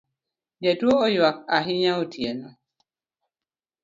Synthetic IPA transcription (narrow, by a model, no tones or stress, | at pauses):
dɛtuoɔjwak̚aɦiɲãotʰienɔ